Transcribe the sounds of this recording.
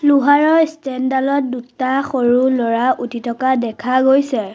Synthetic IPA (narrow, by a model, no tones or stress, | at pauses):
luɦaɹɔɹstɛndalɔt̚dutaxoɹulɔɹaʔutitʰɔkadɛkʰaɡojsɛ